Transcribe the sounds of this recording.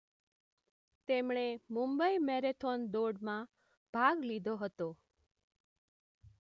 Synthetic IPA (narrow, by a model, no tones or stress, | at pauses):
t̪emɳemũmbəimɛɾet̪ʰond̪oɖmã | b̥ʱaɡlid̪ʱoɦət̪o